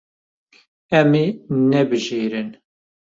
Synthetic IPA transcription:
ɛminɛbɨʒiːɾɨn

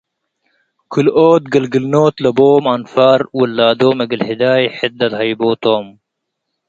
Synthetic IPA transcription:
kʰuloːt̪̚ɡəlɡilnoːt̪lɐboːmanfaːɾwəlːaːd̪oːmeɡəlhid̪aːjħit̪̚d̪ɐt̪hɐjboːt̪oːm

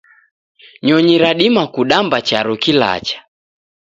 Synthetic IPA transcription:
ɲɔɲiɾaɗimakuɗambat͡ʃaɾɔkila̰t͡ʃḁ

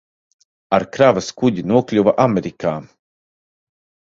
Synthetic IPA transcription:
aɾkɾavaskuɟinuɔklʲuvaʔameɾikaː

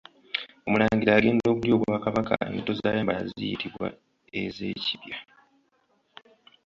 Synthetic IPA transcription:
o̞mulaːɲɟiɾaːɡe̞ːndo̞ːβuɾjo̞ːβwaːkaβaka̰ḛnito̞zaːjaːmbalazijitiβwa̰ | e̞ze̞̰ːciβja

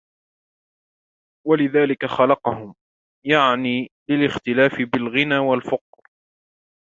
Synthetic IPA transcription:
walɪðaːlɪkaxɑlɑqɑhʊm | jaʕniːlɪlɪxt̪ɪlaːfɪbɪlɣɪnaːwalfʊq̚ɾ

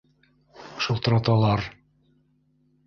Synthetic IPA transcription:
ʃulˠt̪ɤ̆ɾɑt̪ɑlˠɑɾ

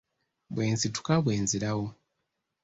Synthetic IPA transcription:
bwe̞ːnzitu̥kaβwe̞ːnziɾawo

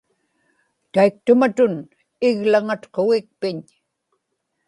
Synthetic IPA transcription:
t̪aik̚t̪ʊmat̪ʊn | ɪɣlaŋat̪qoɣɪk̚pɪɲ

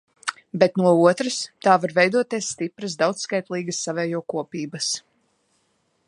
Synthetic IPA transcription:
bɛt̪nuɔuɔt̪ɾəst̪aːvaɾvɛjd̪uɔt̪iɛsːt̪ipɾəs̬d̪awt̪sskajt̪lˠiːɡəsːavɛːjuɔkuɔpiːbɐs

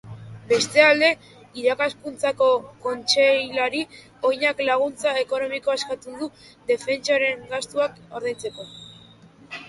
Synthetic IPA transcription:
be̞st̪e̞ald̪e̞ | iɾakaskunt͡sako̞ko̞nt͡ʃejlaɾi | o̞jɲaklaɣ̞unt͡sae̞ko̞no̞mikoeskat̪ud̪ud̪e̞fe̞nt͡ʃaɾe̞ŋɡast̪uako̞ɾðejt͡se̞ko̞

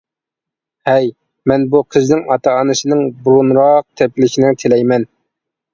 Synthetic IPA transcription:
hɛj | mɛnbuqʰəznɪŋɑt̪ʰɑːnɨʃɨnɨŋbuɾunɾɑq̚t̪ʰɛp̚lɪʃinɪt̪ʰelɛjmɛn

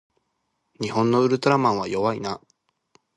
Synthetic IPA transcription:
ɲ̟ihõ̞nːo̞ɯ̟ɾɯ̟t̪o̞ɾamãɰ̃β̞ajo̞βaina

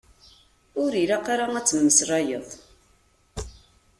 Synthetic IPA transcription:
ʊɾiɾaqaɾaŋæt͡sːəmːəsrˤɑjə̰ðˤ

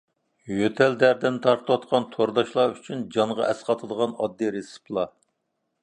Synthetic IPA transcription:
jøt̪ʰɛld̪æɾd̪ɛnt̪ʰɑɾt̪ʰɨwɑt̪qɑnt̪ʰoɾd̪ɑʃlˠɑyt͡ʃʰynd͡ʒɑɴʁɑ̰ʔɛsqɑt̪ʰəd̪əʁɑnɑd̪ːɨɾesɨ̥plˠɑ

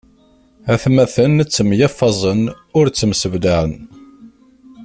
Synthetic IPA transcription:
æθmæθənːət͡sːəmjɑfːɑzˤən | ʊɾt͡sːəmsəvd̪aʕən

